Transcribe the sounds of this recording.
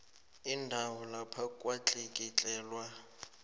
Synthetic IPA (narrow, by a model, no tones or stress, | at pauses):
indʱawɔlapʰakʼwat͡ɬʼekʼit͡ɬʼɛːlwa